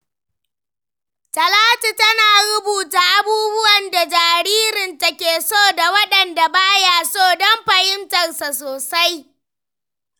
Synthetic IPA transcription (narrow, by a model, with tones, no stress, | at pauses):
tɐ˨laː˦tu˨tɐ˦naː˨ɾʊ˦buː˨taː˨ʔa˦buː˦bʊ˦wɐ˨nda˨d͡ʒaː˨ɾiː˦ɾɪ˨ntɐ˨kʲeː˨soː˦˨da˨wɐ˦ɗɐ˨nda˨baː˦jaː˦˨soː˦˨dɔ˦mɸɐ˨hɪ˦ntɐ˨rsa˨soː˨sa˦j